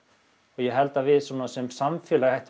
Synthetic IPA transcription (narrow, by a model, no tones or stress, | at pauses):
ɔɣjɛɦɛlt̪avɪðsɔmnasɛmsamfjɛːlaɣhɛht̪